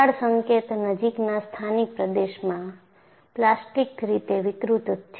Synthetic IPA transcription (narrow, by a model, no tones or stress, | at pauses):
aɽsəŋket̪nəd͡ʒiknast̪ʰanik̚pɾəd̪eʃmã | plasʈikɾit̪eʋɪk̪ɾut̪t̪ʰː